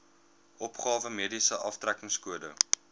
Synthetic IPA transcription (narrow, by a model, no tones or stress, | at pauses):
ʔɔpχɑːvəmiədisəʔɐftrækəŋskuədə̰